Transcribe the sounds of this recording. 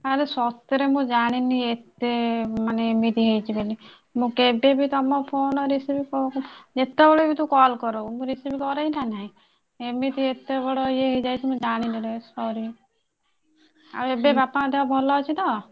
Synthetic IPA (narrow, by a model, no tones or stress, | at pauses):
aɾesɔst̪jɔɾemũd͡ʒaɽ̃iniet̪emaneemit̪iɦejt͡ʃʰibeli | mũkebebit̪ɔmɔpʰonɔɾisibikɔd͡ʒet̪ebɔɭɔebit̪ũkɔlkɔɾomũɾisibʰikɔɾajnanaɦĩ | emit̪iet̪ebɔɽɔieɦejd͡ʒajt͡ʃʰimũd͡ʒaɽ̃ininɔsɔɾi | a̰ɾuebebapaad̪eabʱɔlɔɦɔt͡ʃʰit̪ɔ